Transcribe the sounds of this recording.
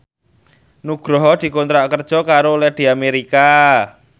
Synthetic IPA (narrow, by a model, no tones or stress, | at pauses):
nuɡ̥ɾɔɦɔd̪̥i̤kont̪ɾaʔkərd̥ʒ̥ɔ̤kaɾoːlɛhd̪̥i̤ameɾika